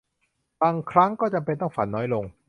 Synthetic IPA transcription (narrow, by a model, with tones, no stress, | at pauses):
baː˧ŋkʰɾa˦˥ŋkɔː˥˩t͡ɕa˧mpe˧nt̪ɔ˥˩ŋfa̰˨˩˦nːɔː˦˥jlo˧ŋ